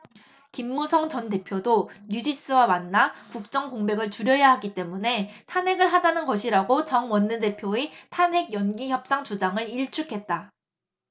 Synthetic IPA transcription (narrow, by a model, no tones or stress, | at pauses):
kimːusʰʌŋt͡ɕʌnte̞pʰjodoɲud͡ʑis͈ɯwamanːakuk̚t͡ɕ͈ʌŋkoŋbe̞ɡɯɭt͡ɕuɾjʌjaɦaɡit͈e̞mune̞tʰanɦe̞ɡɯɭɦad͡ʑanɯnɡʌɕʰiɾaɡot͡ɕʌŋwʌnːɯde̞pʰjoetʰanɦe̞ɡjʌnɡiçjʌp̚s͈aŋt͡ɕud͡ʑaŋɯɾiɭt͡ɕʰukʰe̞t̚t͈a